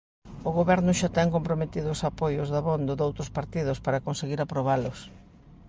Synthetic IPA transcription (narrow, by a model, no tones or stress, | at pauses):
oɣoβɛɾnʊʃat̪ɛŋkompɾomet̪iðʊsapojʊzðaβond̪oðowt̪ɾʊspaɾt̪iðʊspaɾakonseɣiɾapɾoβ̞alʊs